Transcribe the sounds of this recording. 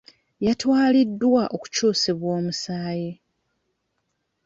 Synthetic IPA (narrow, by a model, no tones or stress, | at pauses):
jatwaːlidːwaʔo̞ku̥cuːseβwo̞ːmusaːji